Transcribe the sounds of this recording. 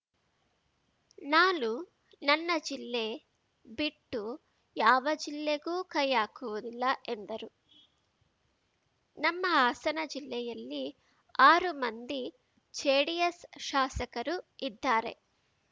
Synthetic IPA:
naːlu | nɐnːɐd͡ʒilːe̞ː | biʈːu | jaːʋɐd͡ʒilːeɡuːkɐjːaːkuʋud̪ilːɐʔe̞nd̪ɐɾu | nɐmːɐaːsɐnɐd͡ʒilːɛjɐlːi | aːɾumɐnd̪i | t͡ʃeːɽijɐsʃaːsɐkɐɾuid̪ːaːɾe̞̰

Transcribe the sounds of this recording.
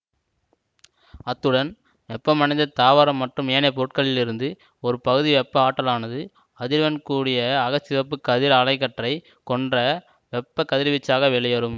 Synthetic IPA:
ɐt̪ːɯɽɐn | ʋɛpːɐmɐɳɐɪ̃nd̪ɐt̪aːʋaɾɐmːɐʈrɯmeːnɐpɔɾɯʈ̚kɐɭːɪlɪɾɯnd̪ɯ | ɔɾɯpɐɣɯðiʋɛpːɐaːʈːɐlaːnɐðɯ | ɐðɪɾʋɐnkuːɽɪjɐːɣɐsɪʋɐp̬ːɯkːɐðɪɾɐɭɐɪkːɐʈrɐɪ | kɔndrɐ | ʋɛpːɐkɐðɪɾʋɪt͡ʃːaːɣɐʋɛɭɐjɐɾɯm

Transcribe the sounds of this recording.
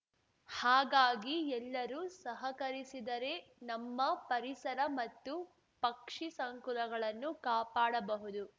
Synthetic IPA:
haːɡaːɡiɛlːɐɾuːsɐɦɐkɐɾisid̪ɐɾe̞nɐmːɐpɐɾisɐɾɐmɐt̪ːu | pɐkʂisɐŋkulɐɡɐɭɐnːukaːpaːɽɐbɐɦud̪u

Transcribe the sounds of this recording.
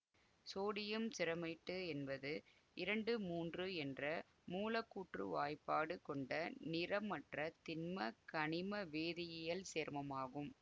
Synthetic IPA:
soːɽɪjɐmsɪɾɐmɐɪʈːɯɛnbɐðɯ | ɪɾɐɳɖɯmuːndrɯɛndrɐ | muːlɐkːuːʈrɯ̰ʋaːjpːaːɽɯkɔɳɖɐnɪɾɐmːɐʈrɐt̪ɪnmɐkɐɳɪmɐʋeːðɪjɐjɐlseːɾmɐmaːɣɯm

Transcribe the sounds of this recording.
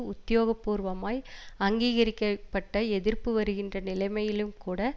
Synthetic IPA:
ʊt̪ːɪjoːɣɐpːuːɾʋɐmaːjɐŋɡiːɣɐɾɪkːɐpːɐʈːɐɛðɪrpɯʋɐɾɯɣɪndrɐnɪlɐɪmɐjɪlɯmkuːɽɐ

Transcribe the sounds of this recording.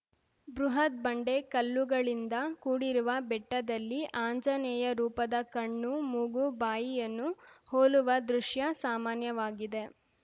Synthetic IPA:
bɾuɦɐt̪̚bɐɳɖe̞kɐlːuɡɐɭind̪ɐkuːɽiɾuʋɐbɛʈːɐd̪ɐlːiʔaːɲd͡ʒɐnɛːjɐɾuːpɐd̪ɐkɐɳːumuɡubaːjijɐnːuhoːluʋɐd̪ɾuʂjɐsaːmaːnjɐʋaːɡid̪e̞

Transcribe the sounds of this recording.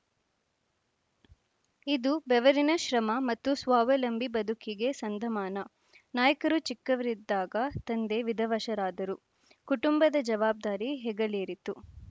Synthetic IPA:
id̪ubɛʋɐɾinɐʃɾɐmɐmɐt̪ːusʋaːʋɐlɐmbʱibɐd̪ʱukiɡe̞sɐnd̪ʱɐmaːnɐ | naːjɐkɐɾut͡ʃikːɐʋɐɾid̪ːaːɡɐt̪ɐnd̪e̞ʋid̪ʱɐʋɐʃɐɾaːd̪ɐɾu | kuʈumbɐd̪ɐd͡ʒɐʋaːb̚d̪aːɾiɦɛɡɐleːɾit̪u

